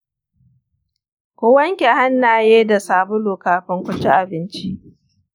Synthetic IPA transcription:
kʷoː˦wɐ˦ŋkʲe˨ha˦nːaː˨jeː˦da˨saː˨bʊ˦loː˨kaː˨ɸɪ˦ŋkʷʊ˦t͡ʃi˦ʔa˨bɪ˦nt͡ʃi˦ʔ

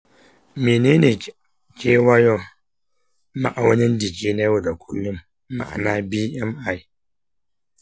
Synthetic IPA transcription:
meː˨neː˦neː˨ | kʲe˦wa˦jɔ˦ | ma˨ʔa˨wɐ˦ni˦ndi˨ki˦ne˦wo˨da˨kʰu˦lːu˦mː | a̰˨ʔa̰˨na˦bi˦jɛ˦ma˨i˦

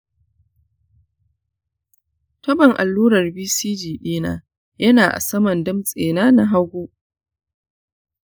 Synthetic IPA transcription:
tɐ˦bɐ˨ŋʔa̰˨lːuː˦ɾɐ˨rbiː˦siː˦d͡ʒiː˨ɗiː˦na̰ː˦ | jɐ˦naː˨ʔa̰˨sɐ˦mɐ˨ndɪ˦msʼeː˨naː˦na˦ɦa˦ɡʷoː˦ʔ

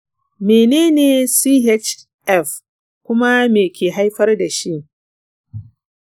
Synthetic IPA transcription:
meː˨neː˦neː˨si˦ɦe˦t͡ʃ | ʔɛ˦˨f | kʷʊ˦ma˦meː˨kʲeː˨ɦa˦jɸɐ˦rda˨ʃi˦ʔ

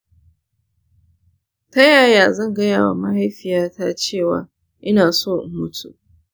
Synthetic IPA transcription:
tɐ˦jaː˦˨jaː˨zɐ˦˨ŋɡɐ˦jaː˨wa̰˨mɐ˦ha˦jɸɪ˨jaː˦taː˦t͡ʃeː˦˨wa̰ː˨ | ʔɪ˦naː˨soː˦˨ʔmʊ˦tʰṵ˨ʔ

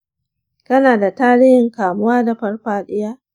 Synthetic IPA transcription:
kɐ˦naː˨da˨taː˦ɽɪ˦hɪ˨ŋkaː˨mʊ˦waː˦da˨ɸɐ˦rɸaː˦ɗɪ˦jaː˦

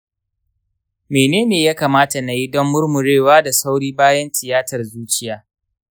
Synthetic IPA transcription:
meː˨neː˦neː˨jaː˦kaː˨maː˦ta˨na˨ji˦dɔ˦mːʊ˦rmʊ˨ɽeː˦˨waː˦da˨sa˦wɽiː˦baː˦jɐ˦ntɪ˨jaː˦tɐ˨rzuː˦t͡ʃɪ˦jaː˨˦

